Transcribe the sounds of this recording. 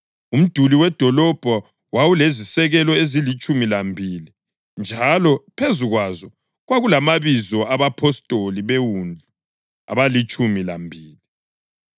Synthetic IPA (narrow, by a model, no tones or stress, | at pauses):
um̩d̥ʱuliwɛd̥ʱɔlɔb̥ʱɔ | wawulezisɛɣɛlɔezilit͡ʃʼumilambʱili | nd͡ʒʱalɔpʰezuɣwazɔ | ɣwaɣulamaβizɔaβapʰɔstʼoliβewund͡ɮʱu | a̰βalit͡ʃʼumilambʱiːli